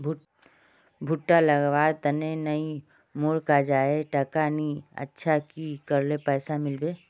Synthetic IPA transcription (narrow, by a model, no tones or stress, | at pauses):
bʱ | bʱʊʈːalɐɡʋaːɾt̪ənenəi | moːɽkad͡ʒaːeʈɐkaːniə̰tːʃʰakikəɾlepɛːsamɪlbeː